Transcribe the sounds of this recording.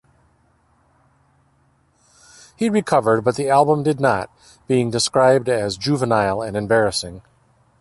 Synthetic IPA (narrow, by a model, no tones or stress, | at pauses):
hiɹikʰʌvə˞d̚bʌt̪̚ðiælˠbə̃mdɨdⁿnə̰t̚ | b̥iɪ̃ŋdɨskɹaɪb̚dɨzd͡ʒʉvənaɪlˠɨ̃nɨ̃mbɛɹɨsɪ̃ŋ